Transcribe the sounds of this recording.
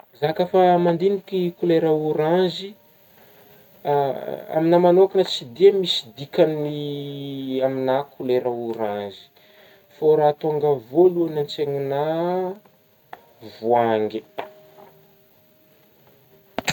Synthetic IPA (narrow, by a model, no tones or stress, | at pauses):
zakafamand̪inikikuleɾauɾazi | a̰minamanokanət͡sid̪iamisid̪ikani | aminakʰuleɾauɾãnzi̥ | foɾat̪oŋɡavoluanant͡seŋina | vuaŋɡi